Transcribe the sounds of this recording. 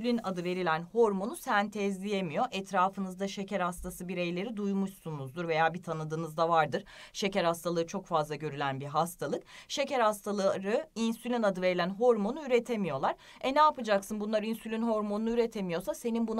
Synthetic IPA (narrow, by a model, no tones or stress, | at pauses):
lʲinad̪ɯve̞ɾilʲænho̞ɾmo̞nusænt̪ʰɛzlʲije̞mijo̞ʔɛt̪ʰɾaːfɯnɯzd̪aʃe̞cæɾhast̪ʰasɯbiɾejlʲe̞ɾid̪ujmuʃsunuzd̪uɾve̞jaːbit̪ʰanɯd̪ɯːnɯzd̪avaɾd̪ɯɾ̥ʃe̞cæɾhast̪ʰalˠɯɯt͡ʃʰo̞kfazlˠaɟø̞ɾylʲænbiɦast̪ʰalˠɯk̚ʃe̞cæɾhast̪ʰaɾɯinsylʲinad̪ɯve̞ɾilʲænɦo̞ɾmo̞nuyɾe̞t̪ʰe̞mijo̞lˠaɾ̥ | ɛnɛapɯd͡ʒaksɯnbunlˠaɾinsylʲinɦo̞ɾmonunyɾet̪ʰe̞mijo̞sase̞ninbun